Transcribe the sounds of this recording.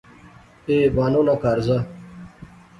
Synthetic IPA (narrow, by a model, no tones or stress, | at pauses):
eːbaːnonakaːɾza